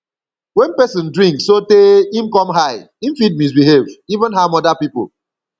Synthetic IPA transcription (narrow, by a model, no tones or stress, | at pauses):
wɛ̃npɛsɪ̃ndɹĩŋkssoteĩm̩kɔmɦaɪ | im̩fid̚mis̬biɦevivə̃nɦamɔdapipo̰